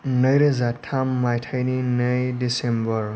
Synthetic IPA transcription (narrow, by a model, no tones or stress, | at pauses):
nʌjɾezatʰamːajtʰajninʌjdisembʌɾ